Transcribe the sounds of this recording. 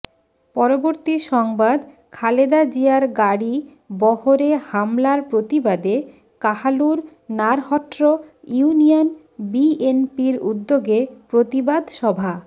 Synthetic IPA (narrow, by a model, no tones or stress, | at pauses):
pɔɾoboɾt̪iʃɔŋbad̪ | kʰaled̪ad͡ʑiaɾɡaɽi | bɔhoɾehamlaɾpɾot̪ibad̪e | kahaluɾ | naɾhɔʈɾoiunijon | bienpiɾṵd̪ːoɡepɾot̪ibad̪ʃɔbʱa